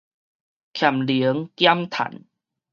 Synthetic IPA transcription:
kʰja˨˩mli˨˦ə˦ŋkja˦mt̪ʰa̰˨˩˦n

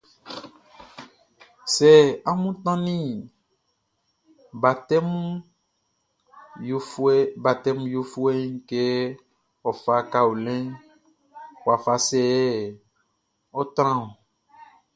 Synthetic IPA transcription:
sɛ˦˨a˦mũ˦t̪ã˦nĩ˦ | ba˨tɛ˦m˦ | ba˨t̪ɛ˦m˦jo˦fu˦e˦ŋ̩˦ke˦ | ɔ˨fa˨ka˦u˨lɛ̃˦ | wwa˨fa˨sɛ˦ | o˦t̪ɾ̃ã˦o˨

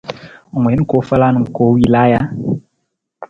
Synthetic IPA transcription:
mʷɔ˨e˦n̩ũ˦ko˨˦fa˦la˦nũ˨m̩˨ko˨˦wi˦la˦ja˦

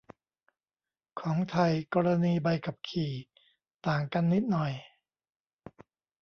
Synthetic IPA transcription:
kʰɔː˩˦ŋt̪ʰa˧jkɔː˧ɾa˧niː˧ba˧jka˨˩p̚kʰiː˨˩ | t̪aː˨˩ŋka˧nːi˦˥t̪̚nɔ˨˩j

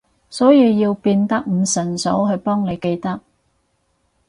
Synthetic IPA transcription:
sɔː˨˥jiː˧wjiː˧wpiː˧nt̪ɐ˥k̚m̩˨˧sɵ˨˩nso̰˨˥wɦɵ˧ɥpɔː˥ŋne˨˧jke˧jt̪ɐ˥k̚

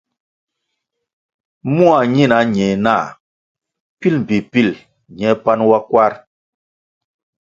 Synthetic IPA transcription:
mũ˦a˨ɲi˦˨na˨˦ɲɛ˨na˦˨ | pi˦lm̩˨bi˨pi˦˨l | ɲɛ˨˦pa˦nwa˦kwa˦ɾ

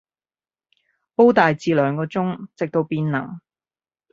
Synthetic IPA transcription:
po˥wt̪aː˨jt͡siː˨˧lœː˨˧˥ŋkɔː˧t͡sʊ˥ŋt͡sɪ˨k̚t̪o˧wpiː˧nnɐ̰˨˩ŋ

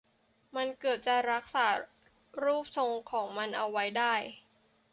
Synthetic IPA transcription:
ma˧nkɤː˨˩t̪̚t͡ɕa˨˩ɾa˦˥k̚saː˩˦ | ɾuː˥˩p̚sʰo˧ŋkʰɔː˩˦ŋma˧nʔa˧wːa˦˥jdaː˥˩j

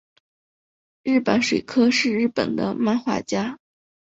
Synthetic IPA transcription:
ɻɻ̩˥˩pə˧˥nʂwe˨˩ɪkʰɤ˥ʂɻ̩˥˧ɻɻ̩˥˩pə̰˨˩nd̪ə̰˦ma˥˧nxwa̰˥˩t͡ɕja˥

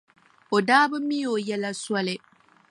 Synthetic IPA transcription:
o˨daː˦bɨ˦mi˦jo˨jɛ˦la˦swɔ˦lɪ˦

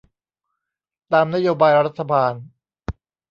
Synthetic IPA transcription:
t̪aː˧mna˥joː˧baː˧jɾa˦˥t̪ʰːa˧baː˧n

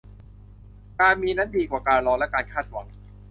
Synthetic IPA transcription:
kaː˧nmiː˧na˦˥n̚diː˧kwaː˨˩kaː˧nlɔː˧nlɛ˦˥kaː˧nkʰaː˥˩t̪̚wa̰˩˦ŋ

